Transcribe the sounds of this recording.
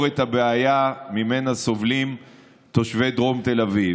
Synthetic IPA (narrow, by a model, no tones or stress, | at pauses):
ʁet̪abeajamime̞naso̞vlim | t̪o̞ʃve̞d̪ʁo̞mt̪e̞lavi